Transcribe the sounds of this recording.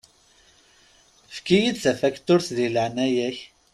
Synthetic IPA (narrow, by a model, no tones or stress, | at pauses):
fkijid̪sæfækt̪ʊɾθðiləʕnæjæç